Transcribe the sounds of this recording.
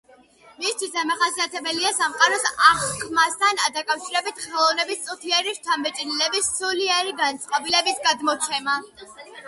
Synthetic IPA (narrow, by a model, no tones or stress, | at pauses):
mist̪ʰwisd̪amaχasiat̪ʰɛbɛliasamqʼaɾɔsaχkʰmast̪ʰanad̪akʼafʃiɾɛbit̪ʰχɛlˠɔvnɛbist̪sʼut̪ʰiɛɾiɾt͡ʃ̪ʰamɛt͡ʃʼnilɛbisːuliɛɾiɡant̪sʼqʼɔbilɛbisɡad̪mɔt͡ʃʰɛma